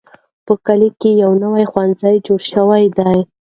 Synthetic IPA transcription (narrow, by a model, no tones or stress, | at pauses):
pəkalikejawnawajxwanzajd͡ʒoɽʃəwajd̪aj